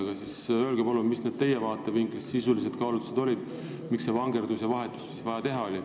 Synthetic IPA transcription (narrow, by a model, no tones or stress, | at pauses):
ɡ̥ɑsisø̞ːlɡ̥ebolummisne̞d̥̪̚t̪e̞jevɑːt̪ːˑeviŋkːesːisulis̬e̞d̪̥kɑwlut̪ːu̥se̞d̪̥o̞lʲid̪̥ | miksːe̞vɑŋɡe̞rd̪usjɑvɑɦe̞t̪ːˑu̥ssisvɑjɑt̪e̞ɦɑo̞lʲi